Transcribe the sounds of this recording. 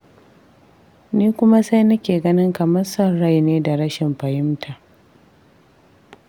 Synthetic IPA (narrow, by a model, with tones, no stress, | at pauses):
niː˦kʷʊ˦ma˦sa˦jnɐ˦kʲeː˨ɡɐ˦nɪ˦ŋkɐ˨mɐ˦rsɐ˦˨rːa˦˨jneː˦da˨ɾɐ˦ʃɪ˨mɸɐ˨jɪ˦mtʰa˨ʔ